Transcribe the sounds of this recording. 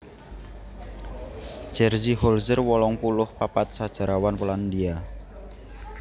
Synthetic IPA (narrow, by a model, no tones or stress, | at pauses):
ʒ̥ɛrzihɔlzərwɔlɔŋpulʊhpapat̪̚sad̥ʒ̥a̤ɾawanpoland̪ia